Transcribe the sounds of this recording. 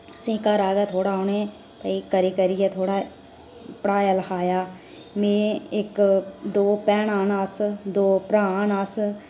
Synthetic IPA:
sĩːkaɾaːɡaːt̪ʰoːɽaːʊneː | pəiːkəɾiːkəɾiːɛːt̪ʰoːɽaː | pɽaːjaːləxʰaːjaː | mẽːɪkd̪oːpɛːɳaːnasd̪oːpɾaːaːnas

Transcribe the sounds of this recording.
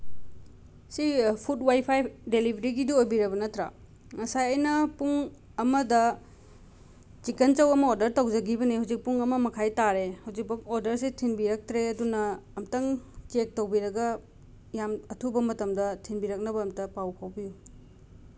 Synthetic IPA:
sipʰut̚wajpʰajdelibʱɾiɡiduojbiɾɐbɐnɐtɾa̰ | ŋɐsajɐjnɐpuŋ | ɐmɐdɐ | t͡ʃikent͡ʃɐwɐmɐoɾdɐɾtɐwd͡ʒɐɡibɐnihawzik̚puŋɐmɐmɐkʰajtaɾehawzik̚pɐk̚oɾdɐɾsetʰinbiɾɐk̚tɾeɐdunɐːmtɐŋt͡ʃek̚towbiɾɐɡɐ | jamɐtʰubɐmɐtɐmdɐtʰinbiɾɐk̚nɐbɐːmtɐpawpʰawbiju

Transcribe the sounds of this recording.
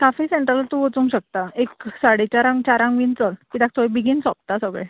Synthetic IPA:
kafiseɳʈɾəlt̪uʋot͡sũŋɡɕək̚t̪aeksaɽet͡ɕaɾãŋt͡ɕaɾãŋɡʋint͡səlkiːd̪ak̚t̪oebiɡinsɔp̚t̪asəɡɭḛ

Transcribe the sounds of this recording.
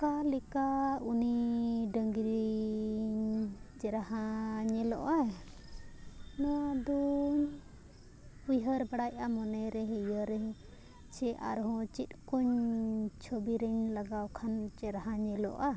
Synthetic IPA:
kalɛkauniɖəŋɡɾi | ɲd͡ʒɛɾaɦaɲɛlɔ̰ʔa | nɔd̪ɔɲ | ujɦəɾbaɽajamɔnɛɾɛɦɛjəɾɛ | t͡ʃɛʔa̰ɾɦɔ̃t͡ʃit̪̚ˀkɔɲt͡ʃʰobiɾɛɲlaɡawkʰant͡ʃɛɾaɦãɲɛlɔ̰ʔa

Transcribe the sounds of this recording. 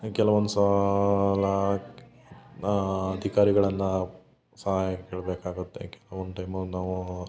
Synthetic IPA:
kɛlɐʋond̪usɐ | lɐ | d̪ʱikaːɾiɡɐɭɐnːɐ | sɐɦaːjɐkeːɭbeːkaːɡut̪ːḛkɛlɐʋond̪ʈɐjmɐlnaːʋu

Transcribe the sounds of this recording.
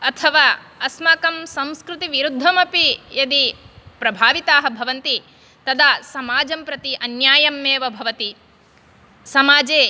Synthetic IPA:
ɐt̪ʰɐʋaːɐsmaːkɐmsɐ̃w̃skɾut̪iʋiɾud̪ʱːɐmɐpijɐd̪ipɾɐbʱaːʋit̪aːɦɐ̆bʱɐʋɐnt̪i | t̪ɐd̪aːsɐmaːd͡ʒɐmpɾɐt̪iʔɐnjaːjɐmːeːʋɐbʱɐʋɐt̪i | sɐmaːd͡ʒeː

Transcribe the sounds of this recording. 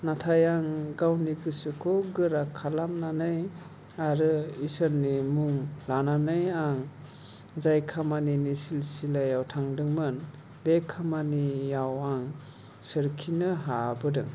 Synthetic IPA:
natʰajaŋɡawniɡɯsɯkʰɔɡɯɾakʰalamnanɯj | aɾɯisəɾnimuŋlananɯjaŋ | zajkʰamaninisilsilajawtʰaŋdɯŋmɯn | bekʰːamanijawaŋ | sɯɾkʰinɯɦabɯdɯŋ

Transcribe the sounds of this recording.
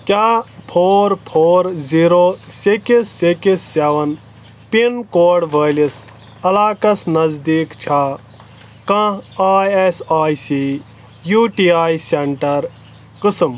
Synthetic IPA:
kʲjaːpʰoːɾpʰoːɾziːɾoːsikisːekisːeːʋɐn | pinkoːɖʋʱəːlis | ɐlaːkɐsnɐzd̪iːkt͡ʃʰa | kãaːjesaːjsi | juʈiːaːjseɳʈɐɾ | kɨsɨm

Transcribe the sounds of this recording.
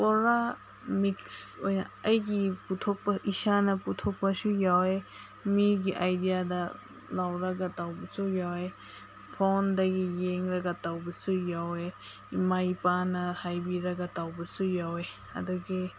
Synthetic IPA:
poɾa | miksojnaajɡiput̪ʰok̚paʔisanaput̪ʰok̚pasujawe | miɡiʔajdijada | lawɾaɡatawbasujawe | pʰondaɡijeŋɾaɡatawbasʰujawe | majpanahajbiɾaɡatawbasujawe | a̰dɔɡe

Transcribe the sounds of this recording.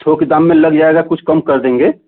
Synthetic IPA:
t̪ʰoked̪ãmːẽləɡd͡ʒaeɡakʊt͡ʃʰkəmkəɾd̪ẽːŋɡe

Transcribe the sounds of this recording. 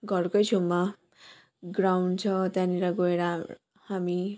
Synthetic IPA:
ɡʱʌrkojt͡sʰumːa | ɡrawnt͡sʰʌt̪jãniɾaɡoeɾa | hami

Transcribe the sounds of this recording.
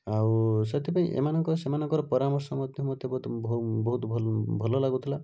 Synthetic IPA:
awset̪ʰipaĩʔḛmanɔŋkɔɾɔsemanɔŋkɔɾɔpɔɾamɔɾsɔmɔt̪jiɦmɔt̪jebɔt̪ɔbɔɦut̪bʱɔlbʱɔlɔlaɡut̪ʰila

